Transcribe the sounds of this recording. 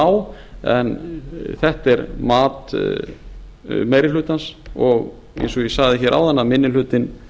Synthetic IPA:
aw | ɛ̰nθɛht̪ɛɾmaːt̪ | meːjɾɪlʏːt̪ansɔɣ | ḛjnsɔɣjɛsaːɣðɪçɛːɾʔa̰wðanːamɪnːɪl̥ʏːt̪ɪn

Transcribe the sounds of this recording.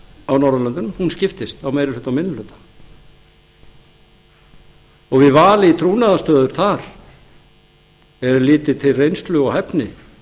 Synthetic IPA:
awnawɾðalœnt̪ʏnmmhunscɪft̪ɪst̪awmeːjɾɪlʏːt̪awmɪnːʏlʏt̪ḁ | ɔɣvɪðvaːlɪit̪ʰɾuːnaðast̪œːðʏɾ̥θaɾ̥ | ɛɾʏlɪːt̪ɪt̪ʰɪlrejnst̪lʏɣɔhɛpnɪ

